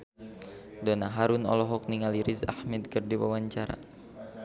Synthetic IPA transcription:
dɔnaɦaɾunɔ̰lɔɦɔk̚niŋaliɾiza̰hmɛd̪̚kərdiwa̰waɲt͡ʃaɾa̰

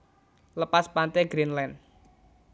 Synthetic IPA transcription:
ləpaspant̪ɛɡɾinlɛn

